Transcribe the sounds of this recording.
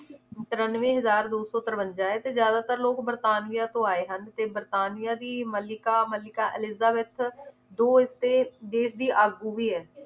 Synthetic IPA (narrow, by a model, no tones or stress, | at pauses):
t̪əɾənʋẽːɦəzaːɾd̪oːsɔːt̪əɾʋəɲd͡ʒaːɛːt̪eːzjaːd̪aːt̪əɾloːkbəɾt̪aːnɪjaːt̪õːaːeːɦənt̪eːbəɾt̪aːnijãːd̪iːməlɪkaːməlɪkaːʔɪlɪzaːbeːt̪ʰ | d̪oːɪst̪eːd̪eːʃd̪iːʔaːɡuːʋiːɛː